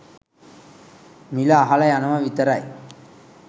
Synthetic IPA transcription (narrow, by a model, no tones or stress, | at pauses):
milɐːɦɐlɐjanɐmɐʋit̪ɐɾaj